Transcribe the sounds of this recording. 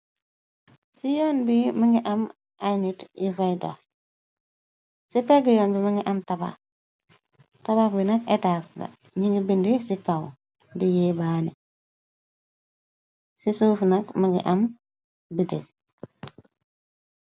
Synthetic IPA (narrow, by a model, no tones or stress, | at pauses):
sijɔːnbimaŋɡiʔam | ajnitifajdo̰ | sipɛɡijɔːnbimaŋɡiʔamtaba̰ | tabakbinakɛtaːsdɐ̰ | ɲiŋɡibindisikaw | dijebaːni | sisuːfnakmaŋɡḭʔam | bitḭ